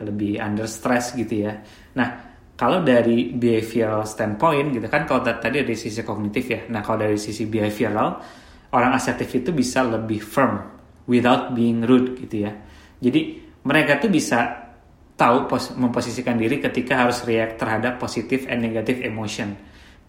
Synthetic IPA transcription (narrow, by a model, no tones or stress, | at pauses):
ləbɪha̰ndərst̪ɾɛsɡit̪uja | nah | kalawdaɾibiafiɾalst̪ɛnpoɪnɡit̪ukankalat̪at̪adidaɾisis̬ikɔɡ̚nit̪ɪfjanahkaladaɾisisibiafiɾal | oɾaŋasɛt̪ɪfit̪ubisaləbɪhfərm | wiθawt̪̚biɪŋɾud̚ɡit̪uja | d͡ʒadiməɾekat̪ubisa | t̪aupoməmposisikandiɾikət̪ikaɦaɾʊsriɛk̚t̪ərɦadapːosit̪ɪfɛnːeɡat̪ɪfemoʃiɔn